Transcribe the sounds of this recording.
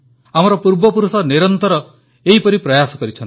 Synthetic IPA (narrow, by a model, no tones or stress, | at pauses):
amɔɾɔpuɾbɔpuɾusɔniɾɔnt̪ɔɾɔ | eɦipɔɾipɾɔjasɔkɔɾit͡ʃʰɔnt̪i